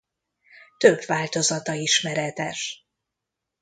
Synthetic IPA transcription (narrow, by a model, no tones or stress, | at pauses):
t̪øbvaːlt̪o̞zɒt̪ɒiʃmɛɾɛt̪ɛʃ